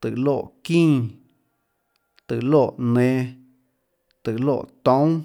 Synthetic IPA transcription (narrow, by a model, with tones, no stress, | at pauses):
t̪ɨ˨lo˦˧˨ʔkĩː˦ | t̪ɨ˨loː˦˧˨ʔnẽ˨˧ | t̪ɨ˨lo̰ː˦˨ʔt̪ɔ̃˨˦w̃